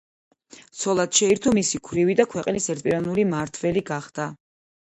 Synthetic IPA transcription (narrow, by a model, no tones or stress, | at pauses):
t̪sʰɔlˠat̪ʃɛiɾt̪ʰɔmisikʰwɾivid̪akʰwɛqʼlisɛɾt̪pʼiɾanuɾimaɾt̪ʰvɛliɡaχd̪̥a